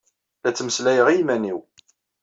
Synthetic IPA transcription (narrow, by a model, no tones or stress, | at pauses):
læt͡sːməslæjəʁijmæniw